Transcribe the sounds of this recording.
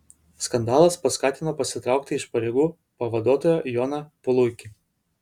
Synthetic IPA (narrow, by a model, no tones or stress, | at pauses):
skɐnd̪ɑːlˠɐspɐskɑːt̪ʲɪnoːpɐsʲɪt̪ɾɑˑʊk̚t̪ʲɪɪʃpɐɾʲeːɡuː | pɐʋɐd̪uɔt̪oːjɛjɔnɐpʊlˠʊkʲɪ